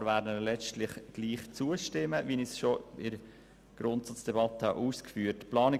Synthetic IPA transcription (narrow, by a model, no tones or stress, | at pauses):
ɾʋæːɾdənəlɛt͡stlɪχɡ̥liːχt͡suəʃtɪməʋinisʃoɪɾ | ɡ̥ɾʊntsɑt͡sd̥ɛbɑt̪əhɑʔuːskfyːəɾtplɑːnɪ